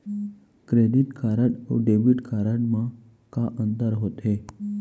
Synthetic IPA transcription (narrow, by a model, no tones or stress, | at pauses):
kɾeɽiʈkaɾəʈo̰ɖebiʈkʰaɾaɽma | kaʔənt̪əɾɦot̪e